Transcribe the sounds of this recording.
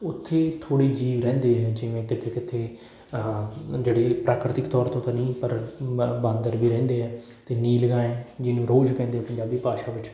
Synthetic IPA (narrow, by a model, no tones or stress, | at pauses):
ʊt̪ʰːeːt̪ʰoːɽiːd͡ʒiːʋɾɛ̃ːnd̪eːɦɛːd͡ʒɪʋẽːkɪt̪ʰeːkɪt̪ʰːeː | d͡ʒeːɽeːpɾaːkɾɪt̪ɪkt̪ɔːɾt̪õːt̪ãːnĩːpəɾbãːnd̪əɾbʱiːɾɛ̃ːnd̪eːɦɛː | t̪eːniːləɡaːẽːd͡ʒɪnũːɾoːd͡ʒkɛ̃ːnd̪eːɛːpəɲd͡ʒaːbiːpaːʃaːʋɪt͡ʃ